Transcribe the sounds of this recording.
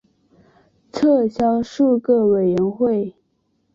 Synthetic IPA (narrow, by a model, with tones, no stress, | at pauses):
t͡sʰɤ˥˩ɕjɑ˥ʊʂu˥˧kɤ˥˩we˨˩ɪɥə˧˥nxwe˥˩ɪ